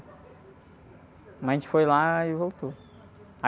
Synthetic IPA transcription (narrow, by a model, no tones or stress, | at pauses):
mɐzʒẽt͡ʃɪ̥fojlaɪvowt̪o | a